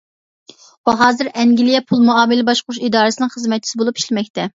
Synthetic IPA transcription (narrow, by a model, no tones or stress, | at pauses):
wuɦɑːzɨɾɛŋɡʲilijɛpʰulˠmuɑːmɨlɪbɑʃqʊɾuʃid̪ɑːɾɨsɪnɨŋχəzmɛt̪t͡ʃʰi̥sɪbolˠupiʃlɪmɛkʲt̪ʰɛ